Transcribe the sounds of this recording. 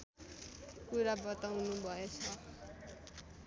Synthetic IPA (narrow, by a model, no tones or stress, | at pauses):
kuɾabʌt̪awnubʱʌet͡sʰʌ